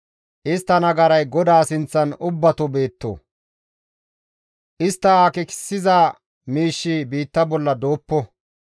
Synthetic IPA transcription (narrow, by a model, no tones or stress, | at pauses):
ʔɪst̪ːɐnɐɡɐɾɐjɡɔd̪aːsɪnt͡sːɐnʊbːɐt̪ɔbe̞ːt̪ːo̰ | ʔɪst̪ːɐakɪkɪ̥sːɪzaː | miːʃːibiːt̪ːɐbɔlːɐd̪o̞ːpːɔ